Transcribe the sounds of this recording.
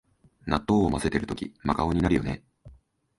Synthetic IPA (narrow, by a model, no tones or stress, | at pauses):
nat̪ːo̞ːomase̞t̪e̞ɾɯ̟t̪o̞kʲḭmakaoɲ̟inaɾɯ̟jo̞̰ne̞̰